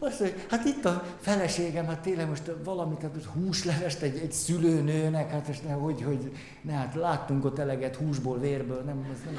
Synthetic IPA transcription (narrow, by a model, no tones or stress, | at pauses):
ɒsojhat̪it̪ːɒ | fɛlɛʃeːɡɛmhat̪ːeːnlɛɡmoʃt̪vɒlɒmit̪hat̪moʃt̪huːʃlɛvɛʃt̪ɛɟɛɟsyløːnøːnɛkhat̪oʃnɛhoɟho̞ɟ | nɛɦat̪laːt̪ːuŋkot̪ɛlɛɡɛt̪huːʒboːlveːrbøːlnɛmznɛm